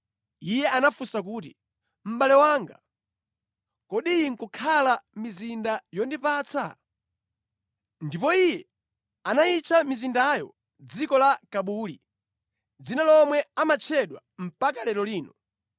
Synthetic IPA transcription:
ijɛʔanafusak̬uːt̬i | m̩ɓalɛwaːŋɡa̰ | kɔɗiŋ̩kukʰalamizindajɔndipaːt͡sʰa̰ | ndipɔijɛ | anait͡ʃʰamizindajɔ̰ | d͡zikɔlakaɓuli | d͡zinalɔmwɛamat͡ʃʰɛɗwa̰ | m̩pakalɛɾɔliːnɔ

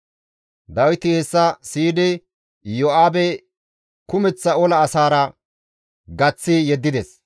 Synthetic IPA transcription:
d̪ɐwɪt̪ɪhɛsːɐsiːd̪ɪ | jɔʔaːbɛ | kʊmɛt͡sːɐɔlɐːsaːɾɐ | ɡɐt͡sːɪjɛd̪ːɪd̪ɛs

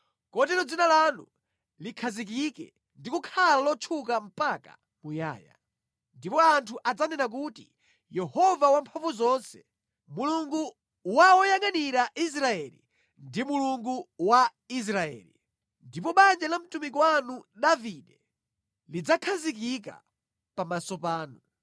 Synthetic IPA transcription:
kɔtɛlɔd͡zinalanu | likʰazik̬ikɛ̰ | ndikukʰalalɔt͡ʃʰukam̩paka̰ | muja̰ːja̰ | ndipɔantʰuʔad͡zanɛnak̬utḭ | jɛhɔvawampʰaɱvuzɔnsɛ̥ | muluŋɡu | waɔjaŋaniɾaʔis̬ɾaɛlḭ | ndimuluŋɡuwa | is̬ɾaɛ̰ːlḭ | ndipɔɓand͡ʒalam̩tumik̬wanuɗaviɗɛ | lid͡zakʰazik̬ik̬a̰ | pamasɔpaːnu

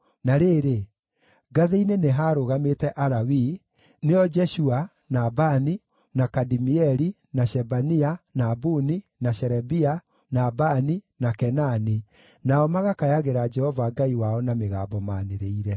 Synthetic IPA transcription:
naɾeːɾe | ɡaðeineneɦaːɾoɣametɛʔaɾawi | neɔd͡ʒɛʃua | nabani | nakadimiɛɾi | naʃɛbanianabuninaʃɛɾɛbia | nabaninakɛnani | naɔmaɣakajaɣeɾad͡ʒɛhɔvaɡaiwaɔnameɣa̰ːmbɔma̰neɾeiɾɛ

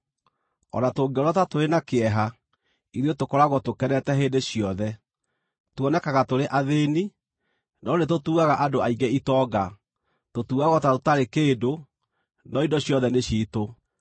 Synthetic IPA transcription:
ɔ̰natoŋɡɔɾɔtatoɾenakeɛɦa | iɾiotokɔɾaɣɔtokɛɾɛtɛɦeːndeɕijɔðɛ | twɔnɛkaɣatoɾeʔaðeːni | nɔnet̬otuːɣaɣaʔadoaiŋɡɛitɔːɡa | totuɣaɣɔtatotaɾekeːdo | nɔindɔɕjɔðɛneɕiːto

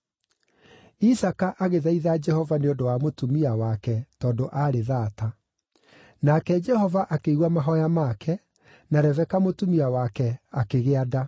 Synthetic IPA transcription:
isakaʔaɣeðaiðad͡ʒɛhɔvaneondowamotumiawakɛtɔːndoʔaɾeðaːta | nakɛd͡ʒɛhɔvaʔakeiɣwamaɦɔjamakʰɛ | naɾɛvɛkamotumiawakɛakeɣeada

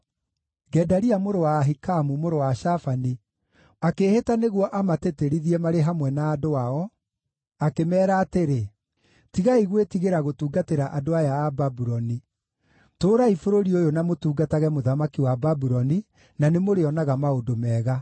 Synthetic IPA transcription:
ɡɛdaɾiamoɾowaɦikamumoɾowaʃafani | akeːhetaneɣwɔʔamateteɾiðiɛmaɾeɦamwɛnaːdoaɔ | akemɛːɾaːteɾe | tiɣaiɣwetiɣeɾaɣotuːɡateɾaʔadoajaːbabuɾɔni | toːɾaifoɾoɾiojonamotuːɡataɣɛmoðamakiwababuɾɔni | nanemoɾeɔnaɣamaodomɛːɣa

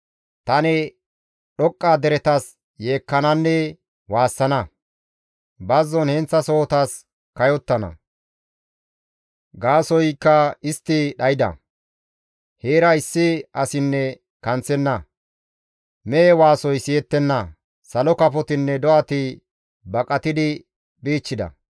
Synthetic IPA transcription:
t̪ɐnɛ | ɗɔkʼːaːd̪ɛɾɛt̪ɐs | je̞ːkːɐnɐnːɛ | waːsːɐnɐ | bɐzːɔnhɛnt͡sːɐso̞ːt̪ɐs | kɐjɔt̪ːɐnɐ̰ | ɡaːsɔjkːɐɪst̪ːɪɗɐjɪd̪ɐ̰ | heːɾɐɪsːɪɐsɪnːɛ | kɐnt͡sːɛnːɐ | mɛːwaːsɔjsɪjɛt̪ːɛnːɐ | sɐlɔkɐpɔt̪ɪnːɛd̪ɔʔɐt̪ɪ | bɐkʼɐt̪ɪd̪ɪ | biːt͡ʃːɪd̪ɐ̰

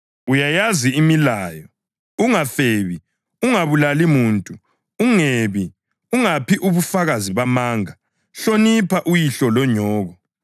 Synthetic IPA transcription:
ujajaziimilaːjɔ | uŋafeːβi | uŋaβulalimuːntʼu | uŋeβi | uŋapʰiʔuβufaɣaziβamaːŋa | ɬonipʰaʔujiɬɔlɔɲɔːɣɔ

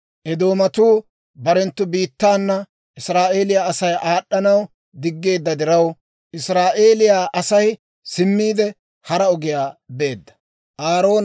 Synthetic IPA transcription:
ʔɛd̪o̞ːmɐt̪uː | bɐɾɛnt̪ːʊbiːt̪ːaːnːɐ | ʔɪsɾaːʔe̞ːlɪjaːɐsɐjʔaːɗːɐnɐw | d̪ɪɡːe̞ːd̪ːɐd̪ɪɾɐw | ʔɪsɾaːʔe̞ːlɪjaːʔɐsɐj | sɪmːiːd̪ɛ | hɐɾɐɔɡɪjaːbe̞ːd̪ːɐ̥ | ʔaːɾo̞ːn

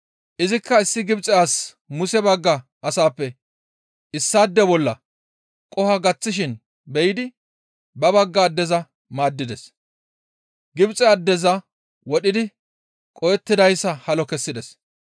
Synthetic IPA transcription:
ʔɪzɪkːɐɪsːɪɡɪbt͡sʼɛjaːs | mʊsɛbɐɡːɐ | ɐsaːpːɛ | ɪsːaːd̪ːɛbɔlːɐ | kʼɔhɐɡɐt͡sːɪʃ̬ɪn | bɛjɪd̪ɪ | bɐbɐɡːɐːd̪ːɛzɐ | maːd̪ːɪd̪ɛs | ɡɪbt͡sʼɛɐd̪ːɛzɐ | wɔɗɪd̪ɪ | kʼɔjɛt̪ːɪd̪ɐjsːɐhɐlɔkɛsːɪd̪ɛs

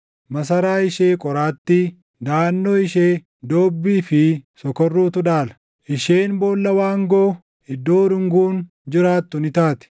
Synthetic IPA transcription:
mɐs̬ɐɾaːɪʃe̞ːkʼɔɾaːt̪ːi | d̪aːnːoːɪʃeː | d̪oːbːiːfɪsɔkɔrːuːt̪ʊᶑaːlɐ̥ | ʔɪʃeːnbo̞ːlːɐwaːŋɡoː | ɪd̪ːoːɾʊŋɡuːn | d͡ʒɪɾaːt̪ːʊnɪt̪aːt̪ɪ̥

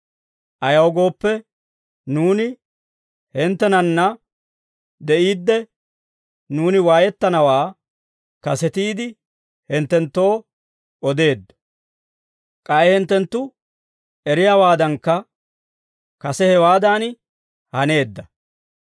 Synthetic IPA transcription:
ʔɐjɐwɡo̞ːpːɛ | nuːnɪ | hɪnt̪ːɛnɐnːɐ | d̪ɛʔiːd̪ːɛ | nuːnɪwaːjɛt̪ːɐnɐwaː | kɐsɛt̪iːd̪ɪ | hɪnt̪ːɛnt̪ːo̞ː | ɔd̪e̞ːd̪ːɐ̥ | kʼɐjɛhɛnt̪ːɛnt̪ːʊ | ɛɾɪjaːwaːd̪ɐŋkːɐ | kɐsɛhɛwaːd̪aːn | hɐne̞ːd̪ːɐ

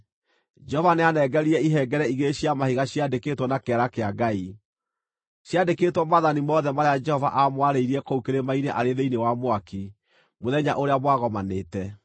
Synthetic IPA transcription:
d͡ʒɛhɔvaneanɛɡɛɾiɛiɦɛɡɛɾɛiɣeɕiamahiɣaɕjadekeːtwɔnakeaɾakeaɡai | ɕjadeketwɔmaðanimɔðɛmaɾead͡ʒɛhɔva̰ʔamwaɾeiɾiɛkoukeɾemaineʔaɾeðeinewamoaki | moðɛɲa̰ʔoɾeamwaɣɔmanetɛ

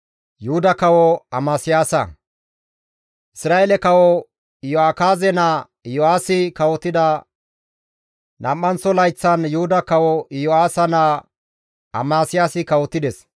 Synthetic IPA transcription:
jʊhʊd̪ɐkɐwɔɐmaːsɪjaːsɐ̰ | ʔɪsɾaːelɛkɐwɔ | ɪjɔaːkaːzɛnɐ | ɪjɔaːsɪkɐwɔt̪ːɪd̪ɐ | nɐmːɐnt͡sːɔlɐjt͡sːɐnjʊhʊd̪ɐkɐwɔɪjɔaːsɐnɐ | ɐ̰maːsɪjaːsɪkɐwɔt̪ːɪd̪ɛs

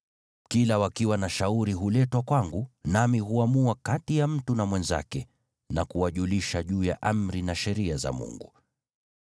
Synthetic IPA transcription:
kilawakiwanaʃauɾiɦulɛtwakwaŋɡunamiɦuamuakatijam̩tunamwɛnza̰kɛ | nakuwaʄuliʃaʄuːja̰ʔam̩ɾinaʃɛɾiaza̰mṵŋɡu

